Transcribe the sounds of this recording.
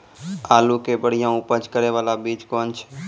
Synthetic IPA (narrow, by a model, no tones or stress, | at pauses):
aːlukebəɽ̤ijãʊpəd͡ʒkəɾeʋaːlabiːd͡ʒkɔːnt͡ʃʰɛ̥